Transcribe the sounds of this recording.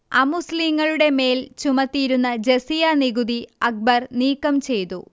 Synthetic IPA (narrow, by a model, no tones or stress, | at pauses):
ɐmusliŋːɐɭuɽe̞me̞ːlt͡ɕumɐt̪ːijiɾunːɐd͡ʑesijɐniɡud̪iɐk̚bɐrniːkːɐmt͡ɕe̞jt̪ṵ